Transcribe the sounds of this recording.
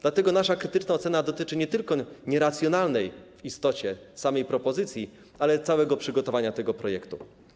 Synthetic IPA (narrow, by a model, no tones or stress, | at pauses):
d̪̥lat̪ɛɡɔnaʂakɾɘt̪ɘt͡ʂnaɔt̪sɛnad̪ɔt̪ɘt͡ʂɘɲɛt̪ɘlkɔɲɛɾat̪sʲjɔnalnɛjvist̪ɔt͡ɕɛ | samɛjpɾɔpɔzɘt̪sʲji | alɛt̪sawɛɡɔpʂɘɡɔt̪ɔvaɲat̪ɛɡɔpɾɔjɛkt̪ṵ